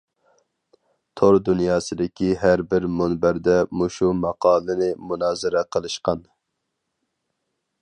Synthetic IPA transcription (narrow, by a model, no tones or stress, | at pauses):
t̪ʰoɾd̪unjɑːsɨd̪ɪkʲʰiɦæɾbɪɾmunbæɾd̪ɛmuʃumɑqʰɑːlˠɨnɨmunɑːzɨɾɛqʰəlˠɨʃqɑn